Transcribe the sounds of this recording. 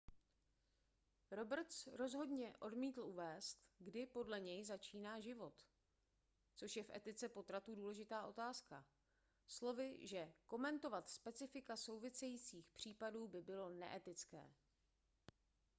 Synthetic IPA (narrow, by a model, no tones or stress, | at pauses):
ɾo̞br̩t̪t͡sɾo̞zɦo̞dɲɛʔo̞dmiːt̪l̩uvɛːst̪ɡdɪpo̞dlɛɲɛjzat͡ʃiːnaːʒɪvo̞t̪ | t͡so̞ʃjɛfʔɛ̰t̪ɪt͡sɛpo̞t̪ɾat̪uduːlɛʒɪt̪aːʔo̞t̪aːska | slo̞vɪʒɛko̞mɛnt̪o̞vat̪spɛt͡sɪfɪkaso̞wvɪsɛjiːt͡siːxpr̝̥iːpaduːbɪbɪlo̞nɛ̰ʔɛt̪ɪt͡skɛ̰ː